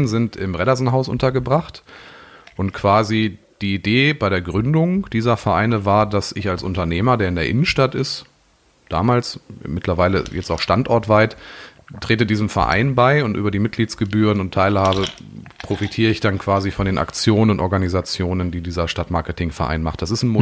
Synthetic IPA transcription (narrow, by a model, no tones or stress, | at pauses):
nzɪntɪmʁɛɾazn̩ɦaʊsʔʊ̰ntɐɡəbʁaχt | ʔʊntkʰv̥aːzi | d̥iːideːbaɪɾeːɐɡʁʏndʊŋd̥iːzɐfɛɐʔa̰ɪnəvaːɐdasɪçalsʔʊntɐneːmɐdeːɐɪndeːɐʔɪnən̩ʃtatɪs | d̥a̰ːmaːlsmɪtʰlɐvaɪlə̰jɛt͡staʊxʃtantʔɔɐtv̥aɪttʁ̥eːtədiːzəmfɛɐʔa̰ɪnbaɪʊntʔyːbɐdiːmɪt̚ɡ̥liːtsɡ̥əbyːʁ̞ənʊntʰːaɪlhaːbə | pʁ̥ofitʰiːʁəɪçd̥ankv̥aːzifɔndeːnʔa̰kt͡sjoːnənʊntʔɔɐɡanizat͡sjoːnəndiːdiːzɐʃtatmaɐkətʰɪŋfɛɐʔa̰ɪnmaχt̚d̥as̬ɪstn̩m